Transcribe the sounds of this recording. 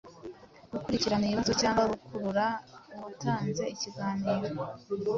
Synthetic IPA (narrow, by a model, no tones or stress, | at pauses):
ɡukuɾiciɾanaiiβazocaːŋɡwaɾukʰuɾuɾauβutaːnze̞iciɡaːniːɾo